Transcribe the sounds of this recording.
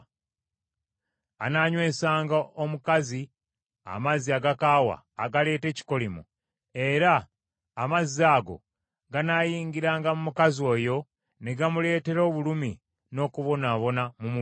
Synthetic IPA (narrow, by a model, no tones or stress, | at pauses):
a̰naɲwe̞ːsaːŋɡaomukazi | a̰maziaɡakaːwa̰ːɡale̞ːte̞ːci̥ko̞limu | e̞ɾaː | mazːaːɡo̞̰ | ɡanaːjiːɲɡiɾaːŋɡamumukazio̞ːjo̞ | neɡamule̞ːte̞ɾo̞ːβulumi | no̞kuβo̞naːβo̞namumu